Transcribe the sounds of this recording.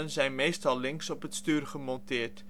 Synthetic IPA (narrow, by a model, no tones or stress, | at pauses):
ənzɛjnmejstɑlˠlɪŋsɔpɦətstyːrχəmɔntɪːɹt